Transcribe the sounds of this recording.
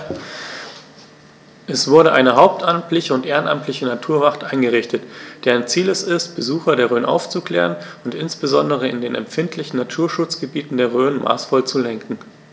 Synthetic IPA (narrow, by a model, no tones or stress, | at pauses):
ʔɛsv̥ʊɐɾəʔaɪnəɦaʊp̚tʔamtlɪçəʊntʔeːʁənʔa̰mtʰlɪçənatʰuːɐvaχtʔaɪnɡəʁ̞ɪçtətd̥eːɐaɪnt͡siːlɛstɪst̚b̥əzuːxɐdeːɐʁ̞øːənʔa̰ʊft͡sukl̥ɛ̰ːʁ̞ənʊntʔɪnsb̥əzɔndəʁ̞əɪndeːnɛ̰mfɪntʰlɪçn̩natʰuːɐʃʊt͡sɡ̥əbiːtn̩deːɐʁøːnmʔa̰ːsfɔlt͡sulɛŋkŋ̩